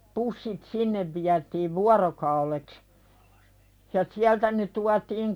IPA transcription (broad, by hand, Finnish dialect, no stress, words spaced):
pusːit sinːeʋ ʋiætiːʋ ʋuɑrokɑuleks jɑ siæltæ ne tuɑtiːŋ